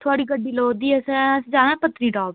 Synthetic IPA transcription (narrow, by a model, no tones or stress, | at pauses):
t̪ʰoaːɽiːɡəɖiːloːd̪iːɛsɛ̃sd͡ʒaːnãːpət̪nĩːɖaːb